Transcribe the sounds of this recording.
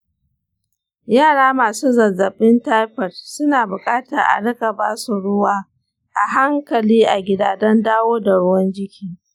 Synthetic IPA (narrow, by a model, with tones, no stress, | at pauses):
jaː˦˨ɽaː˦maː˨suː˦zɐ˨zɐ˨ɓɪ˦nta˦jɸɐ˨tsʊ˦naː˨bʊ˨kʼaː˦tɐ˨ʔa̰˨ɽɪ˦ka˨baː˦su˨ɽʊ˦waː˦ | ʔa˨ɦa˦ŋkɐ˨liː˦ʔa˨ɡʲɪ˨daː˨dɐ˦ndaː˦woː˦da˨ɽʊ˦wɐ˦nd͡ʒɪ˦kʲʰiː˦